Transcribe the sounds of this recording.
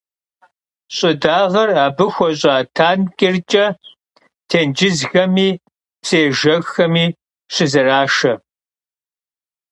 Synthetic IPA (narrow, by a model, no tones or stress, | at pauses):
ɕʼɪdaːʁɐraːbɨxʷɔɕʼaːtʰaːnkʲʼɪrt͡ʃʼɐ | tʰeːnd͡ʒɪzɣɐmiː | pseːʒɐɣxɐmiː | ɕɪzɐraːʃɐ